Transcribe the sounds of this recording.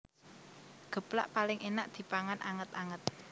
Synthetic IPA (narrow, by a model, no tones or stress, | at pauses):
ɡ̥ə̤pla̰ʔpalɪŋʔenaʔd̪̥i̤paŋanʔaŋət̪aŋət̪̚